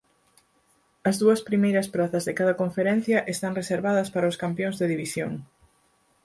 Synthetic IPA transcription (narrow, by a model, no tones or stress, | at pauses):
ɐzðuɐspɾimejɾɐspɾaθɐzðekaðɐkoɱfeɾɛ̃n̟θjɐʔest̪aŋreseɾβaðɐspaɾɐʊskampjoŋzðeðiβisjoŋ